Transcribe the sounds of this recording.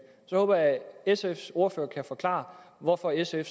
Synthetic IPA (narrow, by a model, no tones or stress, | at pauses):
sɒhɔ̽ːb̥ɐjæesefso̝ɐføːɐkʰæfɒ̽kʰlɑ̰̈ʋɒfɒ̽esef